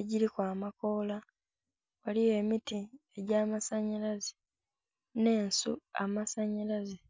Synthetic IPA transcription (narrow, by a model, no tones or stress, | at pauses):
eɟiɾikwaːmako̞la | waliwe̞ːmitieɟaːmasaɲalaze | ne̞ːnsṵa̰masaɲalaze